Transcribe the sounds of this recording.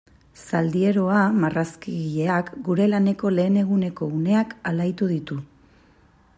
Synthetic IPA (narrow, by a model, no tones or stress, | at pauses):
sald̪ie̞ɾo̞amaraskiɣiʎe̞akɡuɾe̞lane̞ko̞le̞ːne̞ɣune̞ko̞une̞akalajt̪uð̞it̪u